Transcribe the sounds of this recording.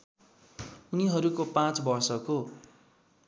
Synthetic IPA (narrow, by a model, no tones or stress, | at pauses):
uniɦʌɾukopãt͡sbʌrsʌko